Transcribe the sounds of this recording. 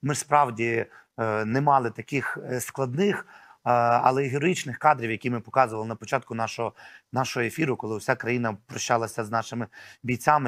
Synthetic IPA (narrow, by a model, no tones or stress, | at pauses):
mɪspɾɑwdʲi | nɛmɑlˠɪt̪ɐkʲɪxsklˠɐd̪nɪx | ɐ̰lˠɛiɦeɾɔjit͡ʃnɪxkɑd̪ɾʲiwjɐkʲimɪpɔkɑzʊʋɐlˠɪnɐpɔt͡ʃɑt̪̚kʊnɑʃɔɦɔnɑʃɔɦɔefʲiɾʊkɔlˠɪwʊsʲakɾɐjinɐpɾɔʃt͡ʃɑlˠɐsʲɐznɑʃɪmɪbʲijt͡sʲamɪ